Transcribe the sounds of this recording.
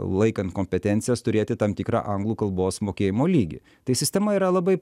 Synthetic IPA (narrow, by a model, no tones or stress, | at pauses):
lˠɐɪkɐnt̪̚koːmʲpʲɛt̪ʲɛnt̪sʲɪjɛst̪ʊɾʲeːt̪ʲɪt̪ɐmt̪ʲiːkɾɑ̰ːʔɐŋɡlˠuːkɐlˠboːsmoːkʲeːjɪmoːlʲiːɡʲḭ | t̪ɐɪsʲɪsʲt̪ʲɛmɐiːɾɐlˠɐbɐɪ